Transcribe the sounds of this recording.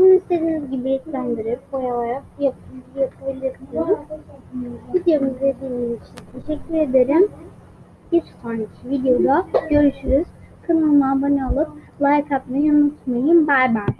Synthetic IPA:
ununist̪ed̪inizɟibiɛcʲlʲænd̪iɾiɾkojalaɾak̚japʰɯbijapʰabilʲiɾt̪ʰijɾ | vid̪jamɯzd̪e̞d̪iːmizit͡ʃʰint̪ʰe̞ʃɛcʲːyɾe̞d̪eɾim | bit͡ʃkanit͡ʃʰivid̪jo̞lˠaɟø̞ɾyʃyɾyz̥ | kʰanɯlˠmabanaːlˠɯp̚lˠajkʰapmianut̪majɯmbæjba

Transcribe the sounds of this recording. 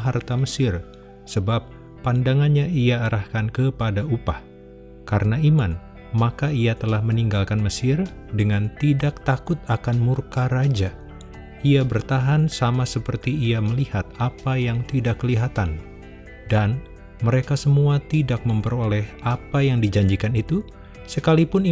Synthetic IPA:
ɦart̪aməsɪr | səbap̚ː | andaŋanɲaiaːɾahkankəpadaupah | kaɾənaiman | makaiat̪əlahməniŋɡalkanməsɪr | dəŋant̪idak̚t̪akʊt̪̚akanmurkaɾad͡ʒa | iabərt̪aɦansamasəpərt̪iːaməlihat̪̚apajaŋt̪idakːəliɦat̪an | dan | məɾekasəmuat̪idak̚məmpəɾolɛhapajaŋdid͡ʒaɲd͡ʒikanit̪u | səkalipʊn

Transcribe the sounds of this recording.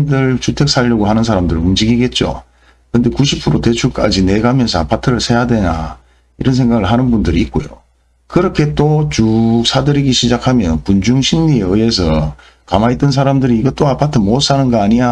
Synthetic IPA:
mdɯɭt͡ɕutʰe̞k̚s͈ʰaʎːʌɡoɦanɯnsʰaɾamdɯɾɯumd͡ʑiɡiɡe̞t̚t͡ɕ͈o̰ | kɯnde̞kuɕʰipʰɯɾote̞t͡ɕʰuɭk͈ad͡ʑine̞ɡamjʌnsʰʌapʰatʰɯɾɯɭsʰe̞jadwe̞na̰ | iɾʌns̬ʰe̞ŋɡaɡɯɭɦanɯnbundɯɾiːt̚k͈ojo̰ | kɯɾʌkʰe̞t͈ot͡ɕusʰadɯɾiɡiɕʰid͡ʑakʰamjʌnpund͡ʑuŋɕʰinɲieɯe̞sʰʌ | kamait͈ɯns̬ʰaɾamdɯɾiːɡʌt͈oapʰatʰɯmos͈anɯnɡʌaɲija

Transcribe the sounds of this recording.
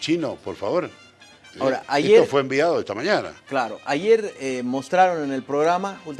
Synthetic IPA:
t͡ʃinopoɾfaβoɾ | aoɾaʔaʝeeɾofweːmbiaðoest̪amaɲana̰klaɾo̞̰ʔaʝe̞ɾemo̞st̪ɾaɾo̞nene̞lpɾoɣɾamakult̪

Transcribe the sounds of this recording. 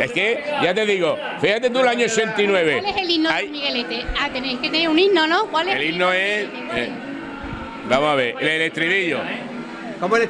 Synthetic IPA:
ekeʝat̪e̞ðiɣo | fihat̪et̪ulaɲoot͡ʃẽnt̪inwe̞βeleselinoajmiɣelet̪eat̪eneŋket̪eneuninonõkwalelinoe | e | bamoɦaβeɾelelet̪ɾiliʎo̰ | komoel

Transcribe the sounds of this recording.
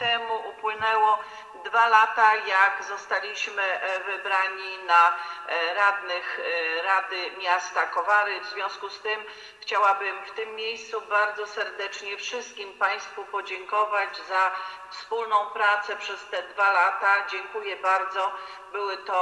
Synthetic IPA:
t̪ɛmuʔupwɘnɛwɔ | d̪valat̪ajaɡzɔst̪alʲiɕmɘvɘbɾaɲina | ɾad̪nɘxɾad̪ɘmʲjast̪akɔvaɾɘvzvʲjɔ̃w̃skust̪ɘm | xt͡ɕawabɘmft̪ɘmːʲjejst̪subaɾd̪zɔsɛɾd̪ɛt͡ʂɲɛfʂɘst̪̚kʲimpaj̃st̪fupɔd͡ʑɛŋkɔvad͡ʑzafspulnɔ̃w̃pɾat̪sɛpʂɛst̪ɛd̪valat̪ad͡ʑɛŋkujɛbaɾd̪zɔ | bɘwɘt̪ɔ

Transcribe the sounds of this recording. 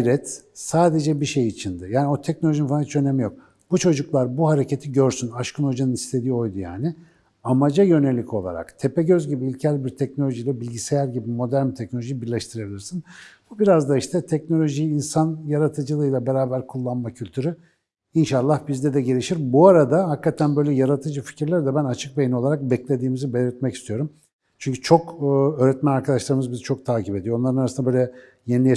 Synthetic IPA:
ɾɛt̪saːd̪e̞d͡ʒɛbiʃe̞jit͡ʃʰind̪ɯjaːnio̞t̪ʰɛc̚nolʲoʒininfaanit͡ʃønemijo̞k̚ | b̥ut͡ʃʰo̞d͡ʒuklˠaɾbuhaɾe̞ce̞t̪ʰiɟøɾsynaʃkʰɯno̞d͡ʒanɯnist̪ʰʲe̞d̪ijo̞jd̪uja̰ːnɪ | amad͡ʒajø̞ne̞lʲːicʰo̞̰lˠa̰ɾa̰kt̪ʰepɛɟøzɟibiːlʲcʰælʲbiɾt̪ʰɛcno̞lʲo̞ʒijlʲɛbilʲɟise̞jæɾɟibimo̞d̪æɾmt̪ʰɛcno̞lʲoʒijibiɾlʲɛʃt̪ʰɯɾebilʲiɾsinbubiɾazd̪aiʃt̪ʰɛt̪ʰɛcno̞lʲo̞ʒijːnsanjaɾat̪ʰɯd͡ʒɯlˠɯjlˠabeɾaːbæɾkʰulˠːanmacʰylʲt̪ʰyɾy | inʃalˠːahbizd̪ɛd̪ɛɟe̞lʲiʃiɾbuaɾad̪ahakːat̪ʰænbø̞jlʲɛjaɾat̪ʰɯd͡ʒɯfi̥cʰiɾlʲæɾd̪ɛbænat͡ʃʰɯk̚bejino̞lˠaɾak̚bɛclʲe̞d̪iːmizibe̞lʲiɾt̪mɛcist̪ʰijo̞ɾum | t͡ʃʰyɲcʰyt͡ʃʰo̞kːøːɾɛt̪mænaɾkʰad̪aʃlˠaɾɯmɯzbizit͡ʃʰo̞k̚t̪ʰaːcʰipe̞d̪ijoo̞nlˠaɾɯnaɾasɯnbøjlʲɛ | jenij

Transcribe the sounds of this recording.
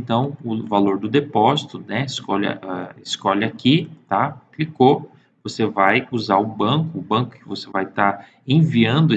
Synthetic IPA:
t̪ɐ̃w̃ʊvaloɾd̪ʊd̪epɔzit̪ʊnɛɪskɔlɐ̰ʔɛɪskɔʎɐakit̪akliko | vosevajuzaɾʊbɐ̃kʊːbɐ̃kʊ̥kɪvosevajt̪a | ẽviɐ̃nd̪ʊ

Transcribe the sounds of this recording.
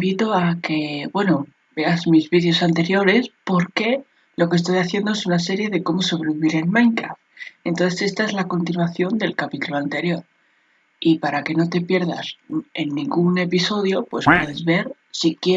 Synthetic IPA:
mbit̪o̞ake̞bwe̞no | be̞azmizβiðjo̞sant̪e̞ɾjo̞ɾe̞spo̞ɾke̞ | lo̞kest̪o̞jaθje̞nd̪oe̞sunase̞ɾje̞ðe̞ko̞mo̞so̞β̞ɾe̞βiβiɾe̞lmãjŋkɾa̰ft̪e̞nt̪o̞nθe̞se̞st̪ae̞zlako̞nt̪inwaθjo̞nd̪e̞lkapit̪uloant̪e̞ɾjo̞ɾ | ipaɾake̞no̞t̪e̞pje̞ɾða̰se̞nːĩŋɡune̞piso̞ðjo̞pwe̞spwe̞ðe̞zβe̞ɾ | sikje

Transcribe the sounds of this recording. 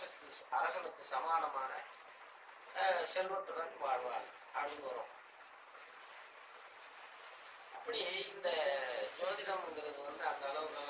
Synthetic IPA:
ɐk̪ːɯɐɾɐsɐnɐk̪ːɯsɐmaːlɐmaːnɐ | sɛlʋɐʈːɯɽɐnʋaːɻʋaːl | ɐpːɐɽɪnːɯʋɐɾõːm | ɐpːɐɽijeːɪnd̪ɐd͡ʒoːðɪnɐmɛŋɡɪɾɐðɯʋɐnd̪ɯɐnd̪ɐːɭɐʋɯɣɐɭ

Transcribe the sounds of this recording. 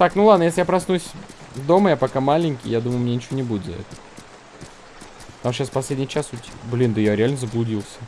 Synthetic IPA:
t̪aknulˠad̪nəjeslʲɪjapɾɐsnusʲ | vd̪o̞məjapɐkamalʲɪnʲkʲɪjjad̪uməjʊmnʲenʲɪt͡ɕɪvonʲɪbudʲɪd̪d̪̰ʲt̪ | t̪amɕasfpɐsʲlʲedʲnʲɪjt͡ɕasʊt̪ʲblʲind̪əjaɾʲɪalʲnəzəblˠʊdʲilˠsʲə̥

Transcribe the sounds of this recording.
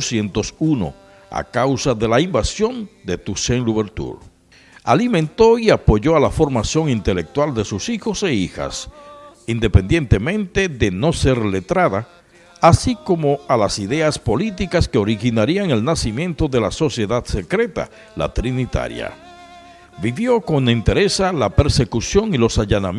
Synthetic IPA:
sje̞nt̪osuno̞̰ | a̰kawsaðe̞laimbasjo̞nd̪e̞t̪useŋluβeɾt̪ṵɾ | a̰limẽnt̪o̞iapo̞ʝoalafo̞ɾmasjo̞ŋint̪e̞lek̚t̪wald̪e̞susixo̞seixa̰s | ind̪e̞pend̪je̞nt̪e̞mẽnt̪e̞ðe̞no̞se̞ɾle̞t̪ɾaðaː | siko̞mo̞alasiðe̞aspo̞lit̪ikaskeo̞ɾixinaɾiaŋe̞lnasimje̞nt̪o̞ðe̞laso̞sje̞ðaðse̞kɾe̞t̪a̰ | la̰t̪ɾinit̪a̰ɾja̰ | biβjo̞ko̞ŋint̪e̞ɾe̞salape̞ɾse̞kusjo̞ŋilo̞saʝanam

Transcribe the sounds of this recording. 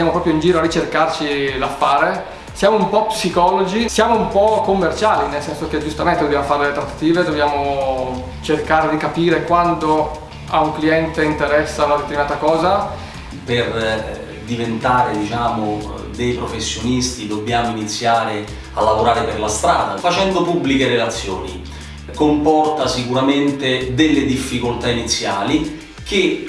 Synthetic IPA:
jaːmopɾɔpɾjoind͡ʒiːɾoarit͡ʃerkart͡ʃilafːaːɾe | sjaːmoumpɔpsikɔːlod͡ʒisjaːmoumpɔkːomːert͡ʃaːlinelsɛnsok̟ed͡ʒust̪ament̪ed̪objamofaɾed̪elet̪ɾat̪ːḁt̪iːved̪objaːmo | t͡ʃerkaːɾed̪ikapiːɾekwant̪o | auŋkliɛnt̪eint̪eɾɛsːanad̪et̪eɾminaːt̪akɔːza | per | d̪ivent̪aːɾed̪it͡ʃaːmo | d̪ejpɾofesːjonist̪id̪obːjaːmoinit̪sːjaːɾe | a̰lːavoɾaːɾeperlast̪ɾaːd̪a̰fat͡ʃɛnd̪opubːlikeɾelat̪sːjo̰ːni | kompɔrt̪asikuɾament̪ed̪elːed̪ifːikolt̪ainit̪sːjaːli | k̟e

